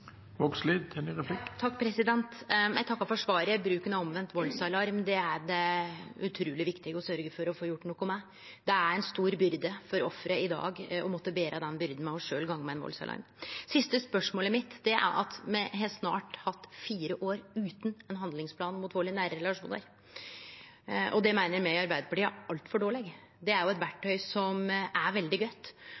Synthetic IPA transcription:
ʋɔksliːd̪t̪ʰɪlɪɾɛpʰlɪkt̪ʰɑkːpʰɾɛsɪd̪ɛnt̪jæ̰ɪt̪ʰɑkːɑfɔʂʋɑːɾəbɾʉːkənɑɔmʋɛnt̪ʋɔlsɑɪlɑɾmd̪ɛæɾɖɛʉt̪ʰɾuːlɪʋɪkt̪ɪɡəɔsœɾɡəfɔɾɔfoːjʊʈːnuːkʊmæɪ | d̪ɛæɾɛnst̪uːɾbʏɾd̪əfɔɾɔfɾəɪd̪ɑ̰ːɡɔmɔt̪ːəbeːɾʔɑd̪ɛnbʏɾd̪n̩mɛɔʂøːlɡɑŋːmɛɛnʋɔ̰lsɑ̰ɪlʔɑ̰ɾm | sɪst̪əspœʂmoːlɪmɪt̪ːd̪ɛʔæ̰ɾʔɑ̰t̪mɛɦeːlt̪snɑ̰ːʈhɑt̪ːfiːɾəʔoːɾʉːt̪n̩ɛnɦɑnd̪lɪŋspʰlɑːnmut̪ʋoːɭɪnæːɾəɾɛlɑʂuːnə̰ɾ | ʔɔd̪ɛmæɪnəɾmɛɪɑɾbæɪd̪əfɔʈiːæɾɑlt̪fɔɖoːɭɛɡ | d̪ɛæɾjʊɛt̪ʋæʈʰːœʏsɔmæɾʋɛld̪ɪɡœt̪ː

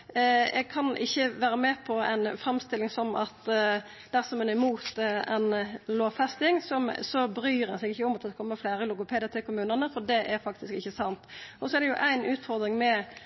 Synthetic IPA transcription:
ɛ̰ɡ̚kʰɑnɪçːəʋæːɾəmɛpʰɔæ̰ɪnfɾɛmst̪ɪlːɪŋsɔmʔɑt̪ | d̪̥æʁsɔmɛnɪmuːt̪ɛ̰ɪnloːʋfɛst̪ɪŋsɔmsɔbɾyːɾɛnsɛɡɪçːəɔmɑt̪ʰkʰɔmːəflæːɾəlʊɡʊpʰeːd̪ɪət̪ɪlkʰʊmʉːnəʁnəfɔd̪ɛʔæɾfɑk̚t̪ɪskɪçːəsɑnt̪ɔsɔɛʁd̪ɛjʊʔæɪnʉːt̪fɔʁd̪ɾɪŋmɛ

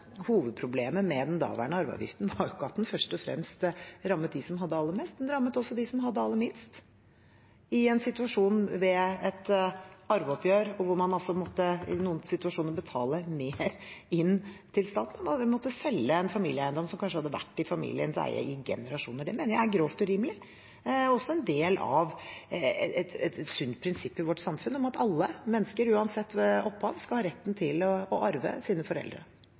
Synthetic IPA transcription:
huːʋəd̪̚pʰɾʊbleːməmɛd̪ɛnd̪ɑ̰ːʋæ̰ɳəɑɾʋə̰ɑ̰ʋjɪ̰ft̪n̩ʋɑɾjʊkːɑt̪ːn̩fœʂʈɔfɾɛ̰mst̪ɾɑmːət̪̚d̪ɪsɔmɦɑd̪ːəɑlːəmɛːst̪̚d̪ɛnɾɑmːət̪ɔsːɔd̪ɪsɔmɦɑd̪ːəɑlːəmɪnst̪ | ɪɛnsɪt̪ʉɑʂuːnʋɛɛt̪ɑɾʋəɔpjøːɾɔʋʊɾmɑnɑlsɔmɔt̪ːəɪ̰nuːənsɪt̪ʉɑʂuːnəɾbət̪ʰɑːləmeːɾɪnːt̪ʰɪlst̪ɑːt̪n̩ɔmɑmɔt̪ːəsɛlːəɛnfɑmiːlɪəæɪənd̪ɔmsɔmkʰɑnʂ̬əhɑd̪ːəʋæ̰ʈːɪfɑmḭːlɪənsɔ̰æ̰ɪjæ̰ɪɪɡɛ̰nəɾɑʂṵːnəɖɛmeːnəjæɾɡɾoːft̪ɔʉɾiːməlɪ | ɔsːɔɛnd̪eːlɑ̰ʋ | ɛt̪ɛt̪sʉnt̪pʰɾɪnsɪpːɪʋɔʈːsɑmfʉnɔmɑt̪ɑlːəmɛnːəskəɾʉːɑnsɛt̪ːʔɔpːɑʋskɑlhɑːɾɛt̪ːnt̪ʰɪlɔɔʔɑɾʋə̰siːnəfɔɾɛ̰ld̪ɾə̰

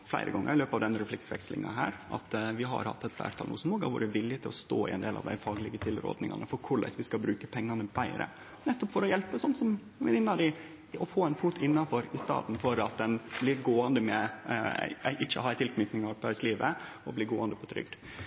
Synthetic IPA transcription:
flæ̰ɪɾə̰ɡɔŋːə̰ɾɪløːpɑʋd̪ɛnɾɛflɪksʋɛ̰kslɪ̰ŋɑ̰ɦæːɾɑ̰t̪ʋɪɦɑ̰ɾhɑ̰t̪ːɛɪt̪flæ̰ːɾt̪ʰɑlnʔṵːsnmoːɡɑ̰ɾʋʊ̰ɖɛʋɪljət̪ɪlɔst̪o̰ːɪ̰ʔɛ̰nd̪eːlʔɑ̰ʋd̪æɪfɑːɡlɪɡət̪ʰɪlɾo̰ːd̪nɪŋɑ̰nəfɔɾkʰʊɭæ̰ɪsʋɪskɑbɾʉːkəpʰɛŋːɑnəbæɪɾə̰ | nɛt̪ːɔpfɔɾɔjɛlpəsɔnt̪sɔmsɔmʋɪnɪŋnɑɾɪ | ɔfoːæɪnfuːt̪ʰɪnːɑnfɔɾɪst̪ɑ̰ːd̪n̩fɔɾɑt̪̚d̪ɛnblɪɾɡoːɑnd̪əmɛ̰ | ʔɪçːəhɑːɾæɪt̪ɪlkʰnyːt̪nɪŋɑpʰɑɾsliːʋəɔblɪɾɡoːɑnd̪əpʰɔt̪ʰɾʏ̰ɡ̚d̪

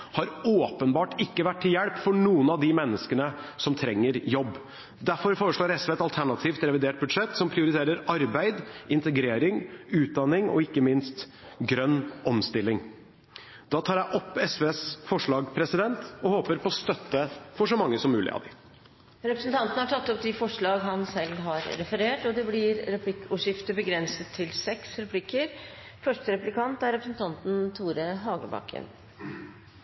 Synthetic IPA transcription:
hɑɾoːpənbɑːʈɪkːəʋæʈʰːɪljɛɽpfɔɳuːənɑʋd̪ɪmɛnːəskənəsɔmt̪ʰɾɛŋːəɾjɔbː | d̪æɾfɔɾfoːɾəʂɭoːɾɛsʋeːɛt̪ɑlt̪ʰæɳɑt̪ʰiːft̪ɾɛʋɪd̪eːʈ̚bʉd̪ʂɛt̪ːsɔmpʰɾɪʊɾɪt̪ʰeːɾəɾɑɾbæɪd̪ɪnt̪əɡɾeːɾɪŋʉːt̪̚d̪ɑnːɪŋɔ̰ɪkːəmɪnst̪ | ɡɾœnːɔmst̪ɪlːɪŋ | d̪ɑːt̪ʰɑːɾjæɪʔɔpːɛsʋeːsfɔʂɭɑːɡpʰɾɛsɪd̪ɛnt̪ɔhoːpəɾpʰɔɔst̪œt̪ːəfɔʂɔmɑŋːəsɔmːʉːlɪ̰ɑ̰d̪ɪ | ɾɛpɾəsn̩t̪ʰɑnt̪ən̩hɑʈʰɑt̪ːɔpd̪ɪfɔʂɭɑːɡɦɑnsɛlːɦɑɾɾɛfəɾeːʈɔd̪ɛblɪɾɾɛpʰlɪkːʊːʂɪft̪əbəɡɾɛnsət̪ʰːɪlsɛksɾɛpʰlɪkːəɾ | fœʂʈəɾɛplɪkʰɑnt̪æɾɛpɾəsn̩t̪ʰɑnt̪n̩t̪ʰuːɾəɦɑːɡəbɑ̰kʰːə̰n

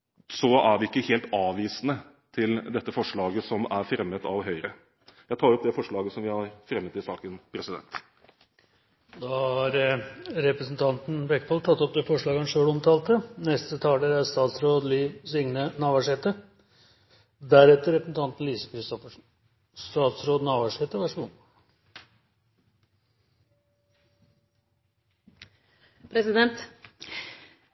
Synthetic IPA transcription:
sɔæɾʋɪɪkːəheːlt̪ɑːʋiːsnə | t̪ʰɪld̪ɛt̪ːəfɔʂɭɑːɡəsɔmæɾfɾɛmːət̪ʰɑʋɦœʏɾə | jæɪt̪ʰɑːɾɔpd̪ɛfɔʂɭɑːɡəsɔmʋɪhɑɾfɾɛmːət̪ɪsɑːkənpʰɾɛsɪd̪ɛ̰nt̪ | d̪ɑɑɾɾɛpɾəsn̩t̪ʰɑnt̪n̩bɛkːpʰɔlt̪ʰɑt̪ːɔp̚d̪ɛfɔʂɭɑːɡəhɑnʂøːɽɔmt̪ʰɑːlt̪ənɛst̪ət̪ʰɑːlɖ̪eːɾæɾst̪ɑːt̪sɾoːd̪lɪːsʏŋnənɑːʋæʂɛːt̪ə | d̪æɾɛt̪ːəɾɛpɾəsn̩t̪ʰɑnt̪n̩liːsə̥kʰɾɪst̪ɔfəʂ | st̪ɑːt̪sɾoːd̪nɑːʋæʂhɛt̪əʋæʂmʊm | pʰɾɛsɪd̪ɛnt̪

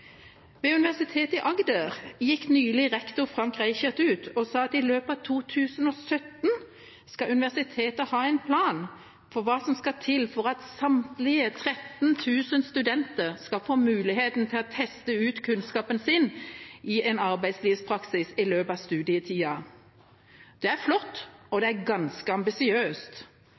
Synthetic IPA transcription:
ʋɛʉnɪʋæʁsɪt̪ʰeːt̪ɪʔɑɡd̪əʁjɪkːnyːlɪʁɛkt̪ʊʁfʁɑŋkʁæɪçət̪ʉːt̪ɔsɑːɑt̪ɪløːpɑʋt̪ʰuːt̪ʰʉːsənɔːsœt̪n | skɑʉnɪʋæʁsɪt̪ʰeːt̪əhɑːɛɪnpʰlɑːn | fɔʁʋɑːsɔmskɑt̪ʰɪlfɔʁɑt̪sɑmt̪lɪət̪ʰɾɛt̪nt̪ʰʉːsənst̪ʉd̪ɛnt̪əʁskɑfoːmʉːlɪheːt̪n̩t̪ʰɪlɔt̪ʰɛst̪əʉːt̪kʰʉnskɑːpənsɪnʔɪʔɛnɑʁbæɪsliːʋspʰʁɑksɪsɪløːpɑʋst̪ʉːd̪ɪɪt̪ʰiːɑ | d̪̥ɛæɾflɔt̪ːɔd̪ɛæɾɡɑnskəɑmbɪsɪøːst̪

